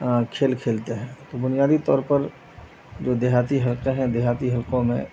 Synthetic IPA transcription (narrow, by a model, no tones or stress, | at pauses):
kʰeːlkʰeːlt̪eɦɛ̃ːt̪obʊnijaːd̪it̪ɔ̰ːɾpəɾ | d͡ʒoːd̪eɦaːt̪iɦəlqeɦɛ̃d̪eɦaːt̪iɦəlkõmḛ̃